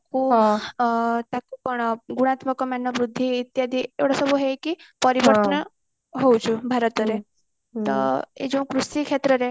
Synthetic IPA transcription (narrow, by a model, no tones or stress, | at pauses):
kʰu | t̪akupɔɳɡuɽ̃at̪mɔkɔmanːɔbɾud̪ʱːiːt̪jad̪ʱiewɽasɔbʱuɦekipɔɾiʋəɾt̪ɔn | ɦowt͡ʃʰubʱaɾɔt̪ɔɾe | t̪ɔ̰ḛd͡ʒẽũkɾusikʰet̪ɾɔɾe